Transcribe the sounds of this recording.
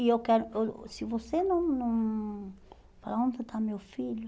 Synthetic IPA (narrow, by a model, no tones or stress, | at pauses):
iewkɛɾʊesivosenõw̃nõ | paɾaõnt̪et̪ʰamewfiʎʊ